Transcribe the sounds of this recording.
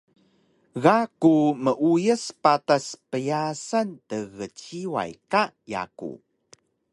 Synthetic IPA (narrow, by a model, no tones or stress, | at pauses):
ɣakuməʔujəspataspəjasantəɣət͡ɕiwa̰jkaja̰kṵ